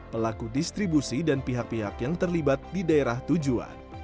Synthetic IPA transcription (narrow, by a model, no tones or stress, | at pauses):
pəlakudist̪ɾibusidanpiɦak̚piɦakjaŋt̪ərlibat̪̚didaeɾaht̪ud͡ʒua̰n